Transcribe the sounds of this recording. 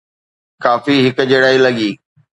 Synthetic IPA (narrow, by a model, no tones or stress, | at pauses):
kaːfiɦɪkd͡ʑeːɽaːilɐɠiː